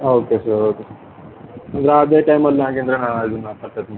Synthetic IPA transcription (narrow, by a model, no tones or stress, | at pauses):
oːkesɐɾoːkesɐɾ | ɐnd̪ɾeɐd̪eːʈɐjmɐlːãːk̬eːnd̪ɾenaːnaːjd̪unːaːt̪ɐʈ̪ːɐt̪n